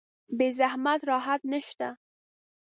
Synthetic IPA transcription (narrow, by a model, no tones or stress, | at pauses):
bezahmat̪ɾɑɦat̪naʃt̪a